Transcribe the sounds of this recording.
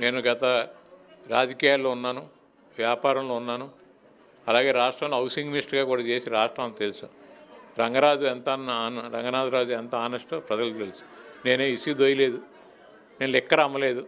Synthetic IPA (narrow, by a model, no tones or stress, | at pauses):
ne̞ːnuɡɐt̪ɐ | ɾaːd͡ʒɐkiːjaːlːo̞ːunːaːnu | ʋjaːpaːɾɐmlo̞ːunːaːnu | ɐlaːɡe̞ːɾaːʂʈɾaːmnːɐwsiŋɡmisʈɡaːkuːɽaːt͡ʃeːsiɾaːʂʈɾaːmlut̪elusuɾɐŋɡɐɾaːd͡ʒuɛnt̪ɐnːnɾɐŋɡɐnaːd͡ʒuɾaːd͡ʒuɛnt̪ɐaːnɐʂʈupɾɐd͡ʒɐlt̪elusu̥ne̞ːneːisid̪ojile̞ːd̪u | nenlɛkːɐɾɐmːɐle̞ːd̪u